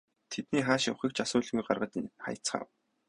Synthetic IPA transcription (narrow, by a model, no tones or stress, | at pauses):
t̪ʰet̪niːχaːʃʊwχʲiːkt͡ɕʰasʊːɮɣujɢarʁə̆t̪χa̰jə̥̆t͡sχa̰ːw